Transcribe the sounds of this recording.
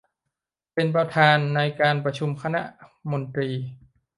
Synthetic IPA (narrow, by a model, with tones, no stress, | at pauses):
pe˧npɾa˧t̪ʰaː˧nːa˧jkaː˧npɾa˧t͡ɕʰu˧mkʰa˧na̰˧˥ʔmo˧nt̪ɾiː˧